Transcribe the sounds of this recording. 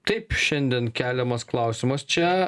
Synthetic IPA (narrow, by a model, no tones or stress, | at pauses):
t̪ɐɪpʃʲɛnʲd̪ʲiɛnkʲæːlʲɛmɐsklˠɑˑʊsʲɪmɐst͡ʃʲɛ